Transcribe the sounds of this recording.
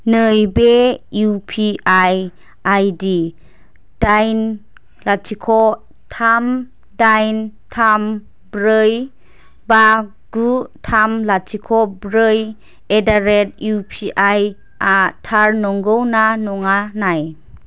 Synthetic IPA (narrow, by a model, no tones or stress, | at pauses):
nəjbejupʰiʔaj | ajdi | d̥ajn | latʰikʰɔ | tʰam | dajntʰam | bɾɯj | ba | ɡ̥utʰamlatʰikʰɔbɾɯj | edaɾet̚jupʰiʔaj | atʰaɾnɔŋɡɯwnanɔŋanaj